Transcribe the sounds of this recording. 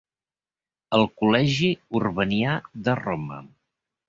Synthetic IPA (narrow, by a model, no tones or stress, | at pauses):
əlˠkulɛʒiurβəniaðərɔmə̰